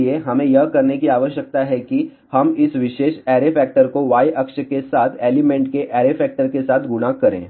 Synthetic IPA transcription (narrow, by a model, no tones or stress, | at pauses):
ieɦɐmẽjɐɦkɐɾnekiaːʋəʃjək̚t̪aɦɛki | hɐmɪsʋɪʃeːʃɛːɾefɛːk̚ʈəɾkoʋaːiʔɐkʃəkesaːt̪ʰeːlɪmẽːɳʈkeʔɛːɾefɛːk̚ʈəɾkesaːt̪ʰɡʊnakɐɾḛ̃ː